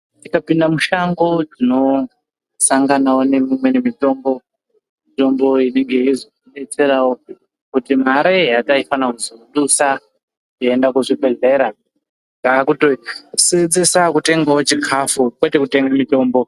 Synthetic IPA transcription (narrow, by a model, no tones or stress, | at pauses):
tikapindamuʃaŋɡo̞d͡zino̞ | saŋɡanawone̞mimwe̞nemito̞mbo̞ | mito̞mbo̞ine̞ŋɡe̞jiziiɗe̞t͡se̞ɾawo | kutim̤aɾeɦataifanakuzouɗusa | kie̞ndakuʐibʱe̞ɮe̞ːɾa | ŋɡaːkutosid͡zisakute̞ŋɡaot͡ʃikʰafukwe̞te̞kute̞ŋɡamito̞ːmbo̞